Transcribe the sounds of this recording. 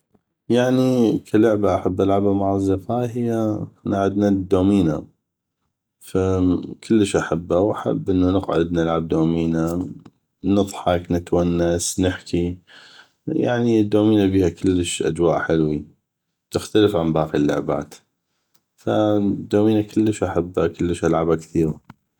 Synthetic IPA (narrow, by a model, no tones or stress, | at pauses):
jaʕnikʰalʊʕbaʔaħabːʔalʕabamaʕazːɑfaːjɦɪjanaʕʊd̪nad̪ːoːmiːna̰ | fakʰʊlːəʃʔaħabːawʔaħa̰bːʔɪnːanəqʕʊd̪nɪlʕab̚d̪oːmiːna | nɨðˤħɑknət̪wanːasnɪħkʰi | ja̰ʕnid̪ːoːmiːnabiːhakəlːəʃʔa̰d͡ʒwaːʔħɪlwi | t̪ɪxt̪aləfʕambaːqilːʊ̰ʕba̰ːt̪ | fad̪ːoːmiːnakɪlːəʃʔaħabːakəlːəʃʔalʕabakθiːɾa